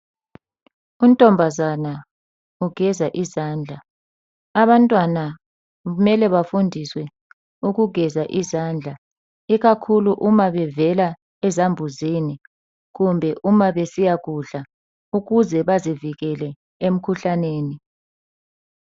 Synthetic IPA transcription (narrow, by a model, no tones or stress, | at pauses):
um̩tʼɔmbʱazana | uɡ̥ʱɛzaʔizaːnd͡ɮʱaː | ɓantʼwana | umɛlɛβafundʱiswɛ | uk̬uɡ̥ʱɛzaʔizaːnd͡ɮʱa | iɣakʰuluʔumaɓɛvɛla | ɛzambʱuzini | k̬umbʱɛʔumaɓesijak̬uɬa | uɣuzɛɓaziviɣ̬ɛlɛ | em̩kʰuɬaneːni